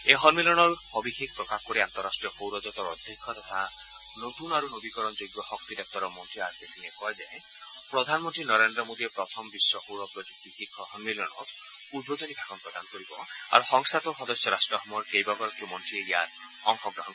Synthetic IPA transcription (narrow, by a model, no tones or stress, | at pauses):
eɦɔɾmilɔɽ̃ɔɾ | ɔbikʰik̚pɾɔkapʰkɔɾiant̪ɔɾːasʈɾijɔxowɾɔd͡ʒɔt̪ɔɾɔd̪ʱːikʰːɔt̪ɔt̪ʰa | not̪unaɾunobikɔɾɔnd͡ʒojɡɔhɔkt̪id̪ɔk̚t̪ɔɾɔmɔnʈ̪ɾiaɾkesinekɔed̪ee | pɾɔd̪ʱanmɔnt̪ɾinɔɾend̪ɾɔmod̪iepɾɔt̪ʰɔmbisːɔhowɾɔpɾɔd͡ʒukt̪ikikʰːɔhɔɾmilɔɽ̃ɔ̰t | ud̪̚bod̪ɔnibʱakɔnpɾɔd̪anɔkɔɾibɔ | a̰ɾuhɔŋsat̪ɔɦɔd̪ɔsjɔɾasʈɾɔɦɔmɔɾkejbɔɡɔɾɔkimɔnʈɾiejaɾ | ɔŋxɔɡɾɔɦɔn